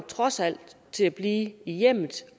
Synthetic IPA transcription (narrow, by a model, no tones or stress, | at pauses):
t͡sʰʁɒ̽sæl̰d̥ | t͡sʰe̝læb̥liːijem̰ð̩ˠ